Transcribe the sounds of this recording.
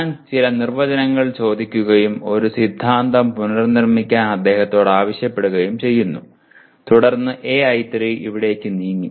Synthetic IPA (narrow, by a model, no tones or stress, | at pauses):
ɲaːnt͡ɕilɐnirʋɐd͡ʑɐnɐŋːɐɭt͡ɕo̞ːd̪ikʲːuɣɐjumo̞ɾusid̪ʱːaːnd̪ɐmpunɐrnirmikʲːaːnɐd̪ːe̞ːhɐt̪ːo̞ːɽaːʋɐɕjɐpːe̞ɽuɣɐjumt͡ɕe̞jːunːu | t̪uɽɐrnːɨʔe̞ːɐjt̪riiʋiɽe̞kːɨniːŋːi